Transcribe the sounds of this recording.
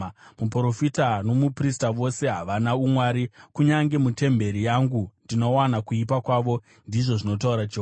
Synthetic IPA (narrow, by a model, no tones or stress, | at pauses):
mupro̞fitano̞mupristaʋo̞se̞ɦaʋanaumwaːɾikuɲaŋɡe̞mute̞mbe̞ɾijaŋɡundino̞wanakuipakwaːʋo̞ | ndiʐo̞ʐino̞t̬auɾat͡ʃoː